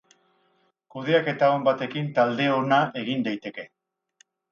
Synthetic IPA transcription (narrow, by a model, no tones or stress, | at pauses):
kuðe̞ake̞t̪aombat̪e̞kint̪ald̪e̞o̞naʔe̞ɣ̞ind̪ajt̪e̞ke̞